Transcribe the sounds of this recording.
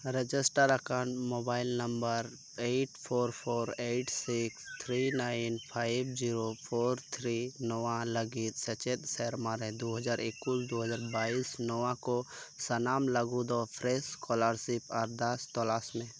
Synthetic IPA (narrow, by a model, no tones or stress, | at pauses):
ɾed͡ʒɪsʈəɾəkãːɳmobaːɪlnəmbəɾ | eʈpʰoːɾpʰoːɾeʈsikst̪ʰɾinaːɪnpʰaːɪbd͡ʒiɾopʰoːɾt̪ʰɾinɔʋãləɡit̪sət͡ʃet̪sɛɾmaɾɛ̃d̪uɦəd͡ʒaːɾɪkwuld̪oɦəd͡ʒaːɾbaːisnɔwãkosənaːmləɡud̪ɔpʰɾeskɔləɾsipʰɔːɾd̪ɐst̪ɔlasmẽ